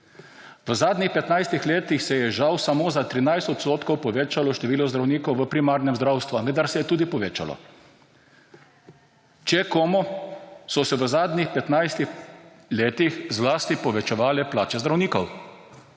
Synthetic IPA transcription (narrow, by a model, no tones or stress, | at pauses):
ʋəzaːd̪nʲixpɛt̪najst̪ixleːt̪ixsɛjɛʒawsamoːzat̪ɾinajst̪ɔt̪st̪oːt̪kɔwpɔʋeːt͡ʃalɔʃt̪ɛʋiːlɔzd̪ɾawniːkɔwʋəpɾimaːɾnɛmzd̪ɾawst̪ʋaʋəd̪aɾsɛjɛt̪uːd̪ipɔʋeːt͡ʃa̰lɔ̰ | t͡ʃɛkoːmɔsɔsɛʋəzaːd̪nʲixpɛt̪najst̪ix | leːt̪ixzlaːst̪ipɔʋɛt͡ʃɛʋaːlɛplaːt͡ʃɛzd̪ɾawniːkɔw